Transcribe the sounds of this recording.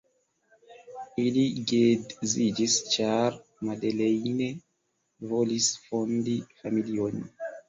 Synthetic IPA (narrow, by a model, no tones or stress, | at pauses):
iliɡedzid͡ʒist͡ʃaɾmadelejne | volisfondifamilion